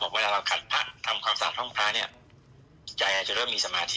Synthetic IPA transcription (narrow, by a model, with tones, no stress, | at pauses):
ɔː˨˩waː˥˩a˧ɾa˧wkʰa˨˩t̪̚pʰa˦˥ʔt̪ʰa˧mkʰwaː˧msaː˨˩˦nhɔ˥˩ŋpʰɾaː˦˥ni˥˩ɐ | t͡ɕa˧jʔaː˧t͡ɕu˧ɾɤː˥˩miː˧sa˧maː˧t̪ʰi˦˥